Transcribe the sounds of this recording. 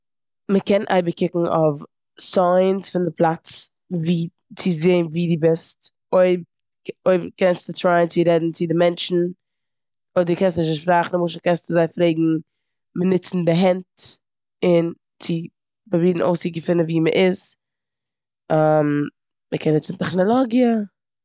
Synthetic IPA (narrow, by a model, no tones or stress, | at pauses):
məkɛnʔa̰ɪbəkɪkŋ̩ʔɔ̰f | saɪnsfɪndɪplˠat͡s | viː | t͡sɪzeːnviːdɪbɪst | oɪb | oɪbkɛnstɪtɾaɪnt͡sɪɾɛdn̩t͡sɪdɪmɛnt͡ʃn̩ | odɪkɛnstnɪʃ̬əʃpɾaχn̩muʃ̬əkɛnstɪzaɪfɾeɪɡŋ̩ | mənɪt͡sn̩dɪɦɛnt | ɪn | t͡sɪ | babiːdn̩ʔo̰ʊsɪɡəfɪnəviːməʔɪz | am | məkʰɛnːɪt͡sn̩tɛχnɔlˠɔɡjə